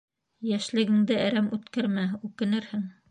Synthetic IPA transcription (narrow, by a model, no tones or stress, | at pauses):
jæʃlɘ̆ɡɘ̆ŋd̪ɘæɾæmʉt̪kæɾmæʉkɘ̆nɘɾhɘŋ